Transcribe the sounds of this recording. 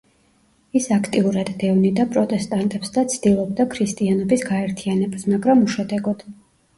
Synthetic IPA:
isakʰt̪ʼiuɾad̪ːɛvnid̪apʼɾɔt̪ʼɛst̪ʼant̪ʼɛpsd̪at̪sʰd̪̥ilˠɔb̚d̪akʰɾist̪ʼianɔbisɡaɛɾt̪ʰianɛbasmaɡɾamuʃad̪ɛɡɔd̪̥

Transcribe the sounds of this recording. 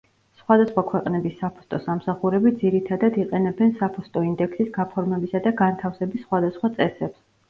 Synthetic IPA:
sχwad̪asχwakʰwɛqʼnɛbisːapʰɔ̥st̪ʼɔsamsaχuɾɛbid̪ziɾit̪ʰad̪ad̪iqʼɛnɛbɛnsapʰɔst̪ʼɔind̪ɛksisɡapʰɔɾmɛbisad̪aɡant̪ʰafsɛbisːχwad̪asχwat̪sʼɛsɛps

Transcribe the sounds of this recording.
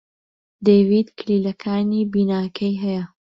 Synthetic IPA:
d̪ejvid̪kʰliːlɐkʰaːnibiːnaːkʰɐjɦɐjɐ

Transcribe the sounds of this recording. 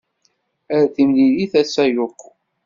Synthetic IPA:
æɾæθimliliθæsæjoqː

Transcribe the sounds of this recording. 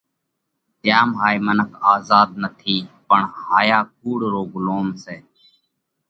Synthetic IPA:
t̪jaːmɦaːimənəkʰaːzaːd̪̚nət̪ʰiːpəɳhaːjaːk̚ʰuːɽɾoːɡloːmseː

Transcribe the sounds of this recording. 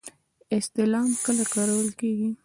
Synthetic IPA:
ɪst̪ɪlɑmkəlakɑɾawəlkeɡi

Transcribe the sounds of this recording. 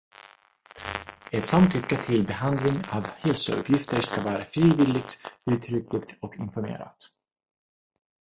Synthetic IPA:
ɛt̪samt̪ʰːʏkːaʈʰɪlbɛɦand̪lɪŋavhɛlsəɵ̰pʰjɪft̪əɾʂkavɑːɾafɾiːvɪːlɪɡ̚t̪ʉ̟ːt̪ʰɾʏklɪkt̪ɔkɪnfɔɾmḛːɾa̰t̪

